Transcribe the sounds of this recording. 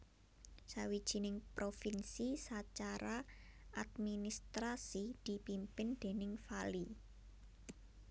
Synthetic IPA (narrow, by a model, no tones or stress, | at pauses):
sawid̥ʒ̥i̤nɪŋpɾofinsisat͡ʃaɾaʔad̪minist̪ɾasid̪̥i̤pimpɪnd̪̥e̤nɪŋfali